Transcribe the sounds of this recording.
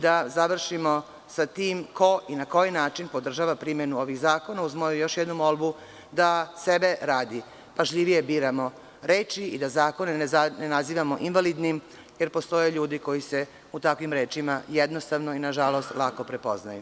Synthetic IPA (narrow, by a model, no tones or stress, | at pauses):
d̪azaʋr̩ʃimo̞ | sat̪iːmko̞ʔinako̞jinaːt͡ʃinpo̞d̪r̩ʒaːʋapɾimje̞nuo̞ʋiɣzaːko̞nauzmojujo̞ʃjed̪numo̞lˠbu | d̪ase̞be̞ɾaːd̪i | paʒʎiʋije̞biːɾamo̞ | ɾeːt͡ʃiid̪azaːko̞nenenaziːʋamo̞ʔinʋalid̪nim | je̞ɾpo̞st̪o̞jeʎuːd̪iko̞jise̞ | ut̪akʋimɾe̞ːt͡ʃimajed̪no̞st̪aʋno̞inaʒalˠo̞st̪lˠako̞pɾe̞po̞̰zna̰ju